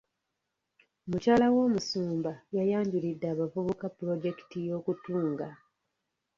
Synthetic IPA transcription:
omucaːlawo̞ːmusuːmbajajaːɲɟulidːaːβavuβokapːɾo̞ɟe̞ki̥tijo̞ːkutuːŋɡa

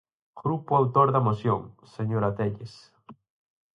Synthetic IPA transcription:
ɡ̥ɾupʊawt̪oɾðɐmosjoŋseɲoɾat̪eʎes

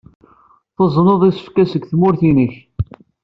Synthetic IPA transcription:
θəzˤnoðˤisə̥fkæsəɡθmʊɾθinəç

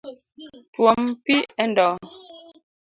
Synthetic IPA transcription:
twɔmpiɛndɔː

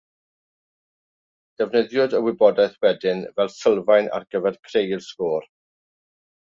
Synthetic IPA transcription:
d̥ɛvnəðjɔdəwɪbɔdaθwɛdɪnvɛlˠsəlˠvajna̰rɡəvɛrkʰrejlskoːr

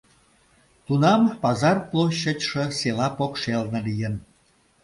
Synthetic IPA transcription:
t̪unɑmpɑzɑrplˠoɕːət͡ɕʲʃə̆selɑpokʃelnə̆lijən

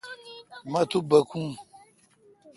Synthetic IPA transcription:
mat̪ubakũ

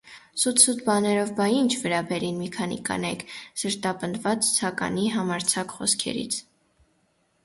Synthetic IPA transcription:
sut̪ʰsut̪ʰbɑnɛɾɔvbɑint͡ʃʰvəɾɑbɛɾinmikʰɑnḭkʰɑ̰nɛkʰsəɾt̪ɑpənd̪vɑt͡st͡sʰɑkɑ̰niɦɑmɑɾt͡sʰɑkχɔskʰɛ̰ɾḭt͡sʰ

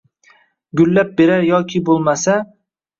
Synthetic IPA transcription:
ɡʲʊlːap̚beɾaɾjɒkʲʰɪbolˠmasa

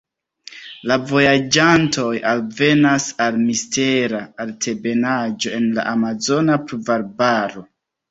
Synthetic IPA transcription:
lavo̞jad͡ʒanto̞jalve̞nasalmiste̞ɾaːltʰe̞be̞nad͡ʒo̞e̞nla̰ʔamazo̞napɾuvaɾbaɾo̞

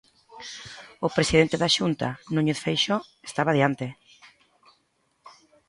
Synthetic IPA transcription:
ʊpɾesiðent̪eðaʃunt̪a̰nũɲeðfejʃoe̥st̪aβaðjant̪e

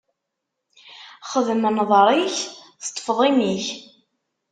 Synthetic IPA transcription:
χəðmənðˤɾˤiçθt̪ˤːə̥fðˤimiç

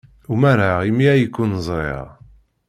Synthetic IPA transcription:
umæɾaʁimiæjəkːunz̰ˤḛʁ

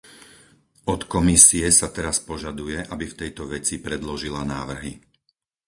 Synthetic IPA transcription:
ɔt̪kɔmisiɛsat̪ɛɾaspɔʒad̪ujɛʔabift̪ɛjt̪ɔʋɛt͡sipɾɛd̪lɔʒilanaːʋr̩ɦi

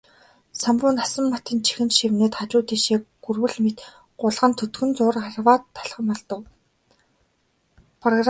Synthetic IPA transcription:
sampʊːnasə̆mːat̪iːnt͡ɕʰi̥xɘ̆nʃiwneːt̪χat͡ɕʊːt̪iːʃeːkɡurwɘ̆ɮmet̪ | ɢʊɮʁə̆nt̪ʰɵt̪ɡɵ̆nt͡sʊːrarwaːt̪ʰːḁɮχə̆mɔɮt̪ə̆w | pʰrɔɣr

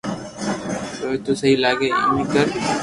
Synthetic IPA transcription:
t̪oːt̪uːsəɦiːlaːkeːḭːmĩkəɾ

